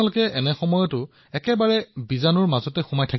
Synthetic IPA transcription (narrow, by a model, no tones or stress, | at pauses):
alʊkɛʔɛnɛxɔmɔjɔtʊ | ɛkɛbaɹɛbizanɔɹmazɔtɛxumajtʰak